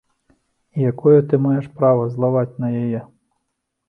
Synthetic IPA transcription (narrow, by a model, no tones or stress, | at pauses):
ijakɔjɛt̪ɪmajɛʂpɾaʋɐzlˠaʋat͡sʲnɐjɐjɛ